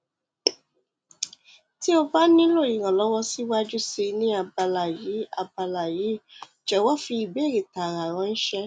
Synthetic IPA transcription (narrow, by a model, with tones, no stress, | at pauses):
ti˦o˧ba˦nĩ˦lo˦˨jĩ˨ɾ̃ã˨lɔ˨˦wɔ˧si˦wa˦d͡ʒu˦se˧nĩ˦a˧ba˧la˨ji˨˦a˧ba˧la˨ji˨˦ | d͡ʒɛ˨wɔ˦fi˧i˨be˨˦˨ɾe˨ta˨ɾa˨ɾ̃ã˧ñ̩˦ʃɛ˧